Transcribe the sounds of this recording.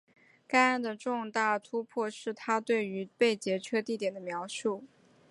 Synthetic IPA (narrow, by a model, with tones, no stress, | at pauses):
ka˥ɪa˥˩nd̪ə˨ʈ͡ʂʊ˥˧ŋt̪a˥˩t̪ʰu˥pʰwɔ˥˧ʂɻ̩˥˩t̪ʰa˥t̪we˥˩ɪy˧˥pe˥˩ɪt͡ɕjɛ˧˥t͡ɕʰɛ˥t̪i˥˩t̪jɛ˨˩nd̪ə˦mjɑ˧˥ʊʂu˥˩